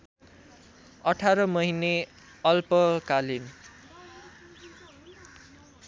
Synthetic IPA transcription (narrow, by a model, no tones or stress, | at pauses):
ʌʈʰaɾʌmʌɦine | ʌlpʌkalin